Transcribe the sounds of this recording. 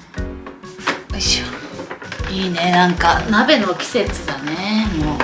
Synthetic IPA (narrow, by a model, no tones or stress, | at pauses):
iɕo | iːne̞nãŋkanabe̞no̞kʲi̥se̞t͡sɨd̪ane̞moː